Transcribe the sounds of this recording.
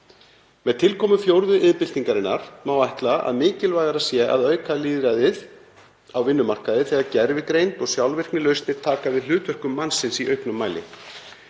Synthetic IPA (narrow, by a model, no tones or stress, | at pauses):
mɛðt̪ʰɪlkʰɔːmʏfjowɾðʏʔɪðpɪlt̪iŋkaɾɪnːaɾ̥mawajht̪laa̰ðmɪːcɪlvaːjɣaɾasjɛʔa̰ðœːɥkʰaliːðɾajðɪð | awvɪnːʏmar̥kaðɪθɛɣaɾcɛɾvɪkɾejnt̪ɔɣsjawlvɪr̥knɪlœɥst̪nɪɾ̥t̪ʰaːkavɪðl̥ʏːt̪vœr̥kʏmːansɪnsiʔœɥhknʏmːaːjlɪ̰